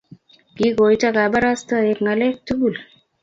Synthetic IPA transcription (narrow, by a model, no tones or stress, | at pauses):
kiɡojtaɡabaɾast̪əekŋalek̚t̪ubul